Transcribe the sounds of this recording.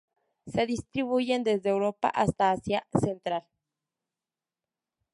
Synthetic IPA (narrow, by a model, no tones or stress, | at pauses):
seðist̪ɾiβuʝend̪ezd̪eewɾopa̰ʔast̪aːsjasent̪ɾal